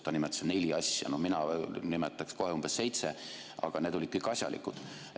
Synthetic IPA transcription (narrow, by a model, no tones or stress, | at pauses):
t̪ɑnimet̪sene̞lʲiɑsjɑ̰nominɑnimet̪ːˑɑksko̞heumb̥esːe̞jt̪se | ɑ̰ɡ̥ɑned̪olʲit̪̚kujkɑsʲjɑ̰lḭkːˑud̪̥